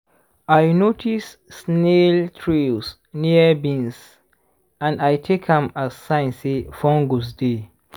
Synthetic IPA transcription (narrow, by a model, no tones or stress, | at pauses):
ajnotʰisː | neltʰɹis | niəbĩns | ãnajtʰekʰãmassãɪ̃nsefɔ̃ŋɡosde